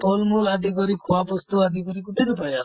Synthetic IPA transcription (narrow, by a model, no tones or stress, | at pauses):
t̪olmulad̪ikɔɾikʰuabɔst̪uad̪ʱikɔɾikuʈiɽupajal